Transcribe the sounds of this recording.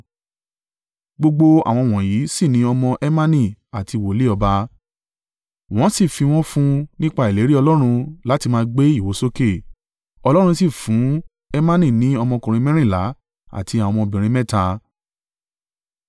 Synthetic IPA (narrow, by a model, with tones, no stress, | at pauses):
ɡ͡bo˧ɡ͡bo˧a̰˨w̃ɔ̃˧w̃ɔ̃˨ji˨˦si˦˨nĩ˨˦ɔ˧mɔ̃˧ʔɛ˦mã˦nĩ˦˨a˨ti˧˨wo˨le˦ɔ˧ba˧ | w̃ɔ̃˦si˦˨fi˧w̃ɔ̃˦fũ˦nĩ˦k͡pa˧i˨le˨˦ɾi˦ɔ˧lɔ˦ɾ̃ũ˧la˨˦ti˧mãː˧ɡ͡be˦i˦˨wo˨˦so˦ke˦˨ | ɔ˧lɔ˦ɾ̃ũ˧si˦˨fũ˨˦ | ɛ˦mã˦nĩ˦˨nĩ˨˦ɔ˧mɔ̃˧kũ˨ɾ̃ĩ˧mɛ̃˦ɾ̃ĩ˦˨la˨˦ | a̰˦˨tʰi˧a˨w̃ɔ̃˧ɔ̃˧bĩ˨ɾ̃ĩ˧mɛ̃˦˨ta˧